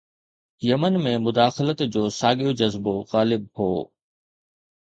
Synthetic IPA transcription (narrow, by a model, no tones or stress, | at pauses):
jɐmənmẽmʊd̪aːxɪlət̪d͡ʑoːsaːɠijod͡ʑɐzboɣaːlɪb̚hoː